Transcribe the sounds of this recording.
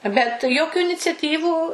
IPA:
bʲɛt ˈjoːkʲʊ ɪnʲɪt͡sʲɛˈtʲiːʋuː

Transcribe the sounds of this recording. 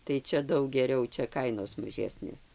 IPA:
tɐɪ ˈt͡ʃʲɛ ˈdɐʊk ɡʲɛˈrʲɛʊ ˈt͡ʃʲɛ ˈkɐɪnoːs mɐˈʒʲæːsʲnʲeːs

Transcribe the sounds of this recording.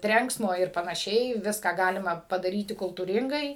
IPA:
ˈtʲrʲɛŋksmoː ɪr pɐnɐˈʃʲɛɪ ˈʋʲɪskɑː ˈɡɑːlʲɪmɐ pɐdɐˈrʲiːtʲɪ kʊlˠtuːˈrʲɪŋɡɐɪ

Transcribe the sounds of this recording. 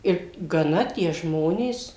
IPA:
ˈɪr ɡɐˈnɐ tʲiɛ ˈʒmoːnʲeːs

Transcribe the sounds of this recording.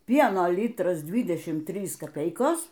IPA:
ˈpʲiɛnoː ˈlʲiːtrɐs ˈdʲʋʲiːdʲɛʃʲiːm ˈtʲrʲiːs kɐˈpʲɛɪkoːs

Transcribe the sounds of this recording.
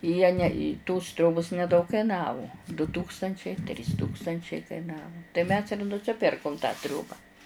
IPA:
jiɛ nʲɛ ɪ toːs ˈtʲrʲoːboːs nʲɛˈdɐʊk kɐɪˈnɑːʋʊ dʊ ˈtuːkstɐnʲt͡ʃʲɛɪ tʲrʲiːs ˈtuːkstɐnʲt͡ʃʲɛɪ kɐɪˈnɑːʋʊ tɐɪ mʲɛs ɪr nʊsʲɪˈpʲɪrkʊm tɑː ˈtʲrʲoːbɐ

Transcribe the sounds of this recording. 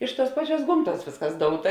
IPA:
ˈɪʃ ˌtuɔs ˈpɑːˌt͡ʃʲuɔs ˈɡoːmˌtuɔs ˈʋʲeːsˌkɐs ˈdoːʊtɐ

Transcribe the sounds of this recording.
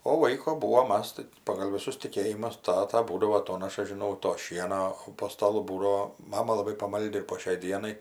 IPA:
oː ˈlˠɐɪkoː ˈbuːʋoː ˈmɐs tɐɪ pɐɡɐlˠ ʋʲɪˈsʊs tʲɪˈkʲeːjɪmʊs ˈtɑːtɐ ˈbuːdɐʋoː ɐˈtoːnɐʃɐ ʒʲɪˈnɐʊ toː ˈʃʲiɛnoː oː poː stɐˈlˠʊ ˈbuːdɐoː ˈmɑːmɐ lˠɐˈbɐɪ pɐˈmɐlʲdʲɪ ɪr poː ʃʲɛɪ ˈdʲiɛnɐɪ

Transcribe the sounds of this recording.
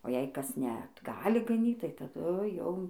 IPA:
oː jɛɪ ˈkɐs nʲɛ t ˈɡɑːlʲɪ ɡɐˈnʲiːt tɐɪ tɐˈdʊ jɛʊ

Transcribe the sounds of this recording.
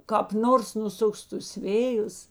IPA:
kɑːp ˈnoːrs nʊˈsʊks tʊs ˈʋʲeːjʊs

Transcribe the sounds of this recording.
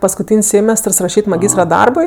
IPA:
pɐskʊˈtʲiːnʲsʲ ˈsʲeːmʲɛstərs rɐˈʃʲiːtʲ mɐˈɡʲiːstrɐ ˈdɐrbʊɪ

